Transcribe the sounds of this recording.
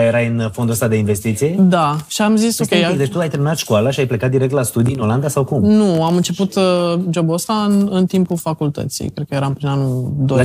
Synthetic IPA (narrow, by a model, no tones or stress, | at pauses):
jeɾajɨnfo̞nd̪uəst̪ad̪e̞inve̞st̪it̪sijed̪aʃiamzisokʲead̪et͡ʃt̪uajt̪eɾminat̪ʃkualaʃiajple̞kat̪̚d̪iɾekt̪last̪ud̪ijɨno̞land̪asawkumnuamɨnt͡ʃe̞put̪d͡ʒo̞buəst̪aɨnɨnt̪impulfakult̪ə̰t̪sḭjkɾe̞d̪̚kəje̞ɾampɾinanud̪o